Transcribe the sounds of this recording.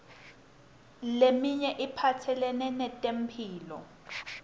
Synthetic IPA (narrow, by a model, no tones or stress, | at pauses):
lemiɲɛʔipʰatʰɛlɛnɛnɛtʼem̩pʰiːlɔ̰